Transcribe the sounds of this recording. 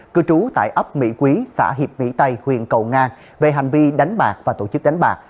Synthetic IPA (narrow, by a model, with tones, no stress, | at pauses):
kɨ˧t͡ɕu˨˦t̪a̰ː˧˨jʔə˦˥p̚mḭ˧˥kwi˨˦sa̰ː˧˩ɦi˨˩əp̚mḭ˧˥t̪ə˧jhwḭ˨ənkə˨˩wŋaː˧n | ve˨˩ɦa˨˩ŋ̟vi˧ɗa˨˦jŋ̟ɓaː˨˩k̚vaː˨˩t̪o˧˩t͡ɕɨ˦˥k̚ɗa˨˦ŋɓaː˨˩k̚